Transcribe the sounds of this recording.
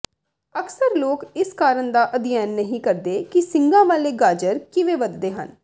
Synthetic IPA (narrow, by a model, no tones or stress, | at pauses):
əksəɾloːkɪskaːɾənd̪aːʔəd̪ɪjɛːnːəɦĩːkəɾd̪eːkɪsɪ̃ŋɡãːʋaːleːɡaːd͡ʒəɾkɪʋeːʋəd̪d̪eːɦə̰n